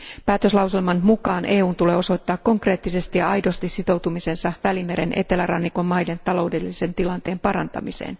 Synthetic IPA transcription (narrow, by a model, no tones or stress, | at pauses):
pæːt̪ø̞slɑwselmɑnmukɑːnʔe̞ːuːnt̪ule̞ːo̞so̞jt̪ːɑːkːo̞ŋkre̞ːt̪ːise̞st̪ijɑɑjdo̞st̪isːit̪o̞wt̪umise̞nsɑʋælime̞ɾe̞nʔe̞̰t̪e̞lærɑnːiko̞mːɑjde̞nt̪ɑlo̞wde̞lːise̞nt̪ilɑnt̪e̞ːmpɑɾɑnt̪ɑ̰misḛːn